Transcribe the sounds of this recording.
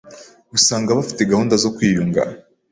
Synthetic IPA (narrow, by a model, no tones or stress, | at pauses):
ɡusaːŋɡaβafi̥teɡahuːndazo̞kwiːjuŋɡa̰